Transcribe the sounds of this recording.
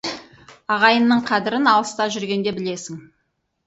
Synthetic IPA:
ɑʁɑjənːəɴqʰɑd̪ɪɾɪnɑlˠəst̪ɑʒʏɾɡʲe̞nd̪e̞bɪle̞sɪŋ

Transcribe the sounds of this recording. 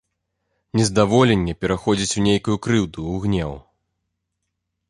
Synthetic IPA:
nʲɛzd̪avɔlʲɛnʲːɛpʲɛɾaxɔd͡zʲit͡sʲunʲejkujukɾɨwd̪uːɣnʲɛw

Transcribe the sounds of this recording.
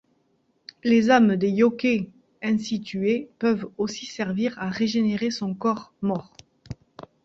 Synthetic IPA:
lezamd̪ejɔke | ɛ̃sit̪ɥepœvosisɛʁviʁaʁeʒeneʁesɔ̃kɔʁmɔʁ

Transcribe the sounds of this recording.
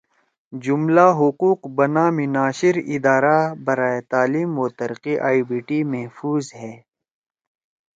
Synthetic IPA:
d͡ʑumlaːɦʊquːqbɐnaːminaːɕiɾid̪aːɾabɐɾaːjet̪aːliːmoːt̪ɐɾqiʔaːibiːʈimɐɦfuːzɦɛː

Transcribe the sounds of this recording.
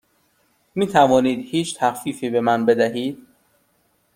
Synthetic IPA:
miːt̪ʰævɒːniːd̪hiːt͡ʃʰt̪ʰæxfiːfiːbe̞mænbe̞d̪æɦiːd̪̥̚

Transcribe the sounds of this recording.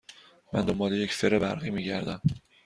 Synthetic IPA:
mæ̰nd̪ombɒːlejecseɾebæ̰ɾɣiːmiːɟæɾd̪æm

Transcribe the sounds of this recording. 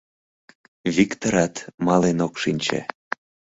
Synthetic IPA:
βikt̪oɾɑt̪mɑlenokʃinʲt͡ɕḛ

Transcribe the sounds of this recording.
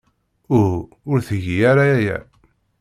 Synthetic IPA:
ʊɾ | ʊɾθəʝijaɾaæjæ̰

